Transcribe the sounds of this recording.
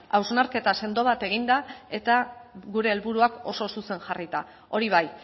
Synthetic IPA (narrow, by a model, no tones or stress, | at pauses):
awznaɾke̞t̪ase̞nd̪o̞βat̪e̞ɣind̪ae̞t̪aɣuɾe̞ːlβuɾuako̞so̞suse̞ŋʝarit̪a | o̞ɾiβ̞aj